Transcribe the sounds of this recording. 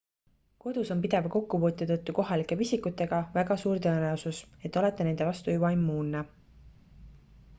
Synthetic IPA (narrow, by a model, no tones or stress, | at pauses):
ko̞d̪̥uso̞mpid̪̥e̞vɑko̞kːupuːt̪ːˑɑt̪ɤt̪ːˑuko̞ɦɑlikːˑe̞visikut̪ːˑe̞ɡ̥ɑvæɡɑsuːɾt̪ɤeneosuse̞t̪ːˑo̞le̞t̪ːˑene̞nd̪̥e̞vɑst̪ujubɑimːuːnːe